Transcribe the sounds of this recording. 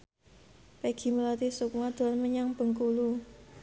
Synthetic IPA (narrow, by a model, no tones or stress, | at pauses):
peɡ̥i̤məlat̪isukmad̪̥a̤nməɲaŋb̥ə̤ŋkulu